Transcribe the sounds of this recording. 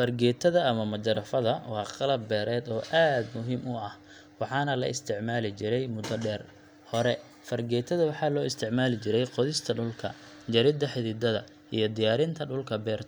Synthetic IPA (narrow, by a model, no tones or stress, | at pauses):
fɐrɡɛːt̪ʰɐðɐːmɐmɐt͡ʃɐɾɐfɐðɐwɑːqɑlɐbːɛːɾɛːd̪ɔːʔaːd̪mʊɦiːmʊɐh | wɑħɑːnɐlɐʔɪst̪ʰɪʕmaːlɪt͡ʃɪɾɛjmʊd̪ɐɖɛːr | hɔɾɛ | fɐrɡɛːt̪ʰɐðɐwɑħɑːlɔːɪst̪ʰɪʕmaːlɪt͡ʃɪɾɛjqɔðɪst̪ʰɐɖʊlkʰɐ̰ | d͡ʒɐɾɪd̪ɐħɪðɪd̪ɐðɐ | ḭjɞd̪ɪjaːɾɪnt̪ʰɐɖʊlkʰɐbɛːrt̪ʰ